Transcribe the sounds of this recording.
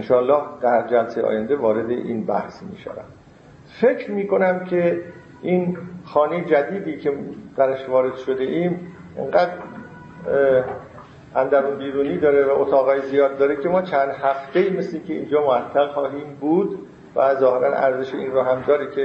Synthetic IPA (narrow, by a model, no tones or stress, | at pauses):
enʃɒːlːɒːhd̪̥æɾd͡ʒælsejʔɒ̰ːjænd̪evɒːɾe̞d̪eʔiːnbæhsmḭːʃæ̰væ̰n | fe̞kʰɾmiːko̞næmcʰe̞ | ʔinxɒːnejed͡ʒæd̪iːd̪iːcʰed̪̥æɾæʃvɒːɾe̞d̪ʃo̞d̪e̞ʔiːm | ʔḛŋɢæːd̪ɾ | ʔænd̪æɣunbiːɾuːniːd̪ɒːɾevæʔot̪ʰɒːɣɒːjezijɒːd̪̚ːɒːɾekʰe̞mɒːt͡ʃʰænd̪hæft̪ʰeiːmesleiːŋcʰeḭːnd͡ʒɒːmoæt̪ʰːæɣxɒːɦiːmbuːd̪ | væzɒːhe̞ɾænʔæ̰ɾzeʃeiːnroɦæmd̪ɒːɾekʰe